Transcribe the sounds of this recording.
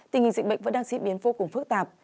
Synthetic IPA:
t̪i˨˩ŋhi˨˩ŋzï˨k̟ɓə̰˧˨ŋvə̰˧˥ɗaː˧ŋsḭ˧˥ɓi˨˦nvo˧kʊ˨˩ŋ͡mfɨ˦˥k̚t̪aː˨˩p̚

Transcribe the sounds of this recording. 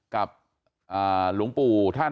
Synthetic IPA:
ka˨˩p̚ | ʔaː˨˩lu˨˩˦ŋpuː˧t̪ʰaː˥˩

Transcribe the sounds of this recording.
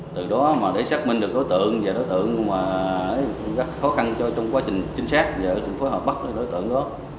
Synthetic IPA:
t̪ɨ˨˩ɗɔ˨˦maː˨˩ɗe˧˩saː˦˥k̚mï˧ŋɗɨ˨ək̚ɗo˨˦jt̪ɨ̰˧˨əŋvaː˨˩ɗo˨˦jt̪ɨ̰˧˨əŋmaː˨˩ə˨˦jɣa˦˥t̚xɔ˨˦xa˧nt͡ɕɔ˧t͡ɕɔ˧wŋ͡mkwaː˧t͡ɕï˨˩ŋ̟t͡ɕï˨˦ŋ̟saː˦˥t̚vaː˨˩zɨ̰˧˨ŋfo˨˦jɦəː˨˩p̚ɓə˦˥k̚ɗɗo˨˦jt̪ɨ̰˧˨əŋɗɔ˨˦

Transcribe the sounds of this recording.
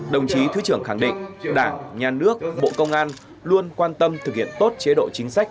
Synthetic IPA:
ɗə˨˩wŋ͡mt͡ɕi˨˦t̪ʰɨ˨˦t͡ɕɨ˧˩əŋxa˧˩ŋɗḭ̈˧˨ŋ̟ɗaː˧˩ŋɲaː˨˩nɨ˦˥ək̚ɓo̰˧˨kə˧wŋ͡mʔaː˧n | lu˧ənkwaː˧nt̪ə˧mt̪ʰɨ˨˩k̚hḭ˧˨ənt̪o˦˥t̚t͡ɕe˨˦ɗo̰˧˨t͡ɕï˨˦ŋ̟sa˦˥k̚

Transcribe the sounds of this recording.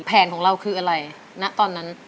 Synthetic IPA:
pʰɛː˩˦nkʰɔː˩˦ŋɾa˧wkʰɯː˧ʔa˧ɾa˧j | na˦˥ʔt̪ɔː˧nːa˦˥n

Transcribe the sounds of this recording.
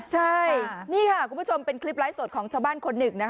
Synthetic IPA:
t͡ɕʰa˥˩jniː˥˩kʰa˥˩kʰu˧pʰu˥˩t͡ɕo˧mpe˧nkʰli˦˥p̚laː˦˥jsoː˨˩t̪̚kʰɔː˩˦ŋt͡ɕʰaː˧wbaː˥˩nkʰo˧nːɯ˨˩ŋna˦˥kʰ

